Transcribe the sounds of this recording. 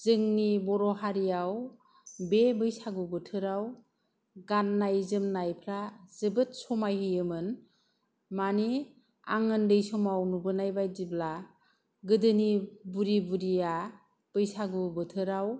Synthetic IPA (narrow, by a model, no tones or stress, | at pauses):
z̥ɯŋnibɔɾɔɦaɾijaw | bebɯjsaɡubɯtʰɯɾaw | ɡanːajzɯmnajpʰɾazɯbɯt̚sɔmajhɯjɯmɯn | mani | a̰ŋɯndɯjsɔmawnubɯnajbajdibla | ɡɯdɯnibuɾibuɾija | b̥ɯjsaɡubɯtʰɯɾaw